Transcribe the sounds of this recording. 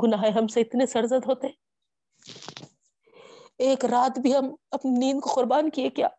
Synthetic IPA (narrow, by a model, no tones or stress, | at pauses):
ɡʊnaːɦeɦɐmseɪt̪nesɐɾzəd̪ɦoːt̪eɦɛ̃ː | eːkɾaːt̪bʱiɦɐmɐpniniːnkoxʊɾbaːnkiekja̰ː